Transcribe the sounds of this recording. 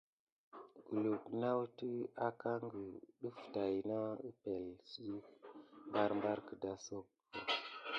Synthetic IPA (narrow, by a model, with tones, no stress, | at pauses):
ɡu˨lu˨kna˦wtə˦a˦ka˦ŋɡə˨ɗə˦fta˨jna˦ə˦pe˨lsi˦kmba˦ɾmba˦ɾkə˨da˦so˦k̚ | o˨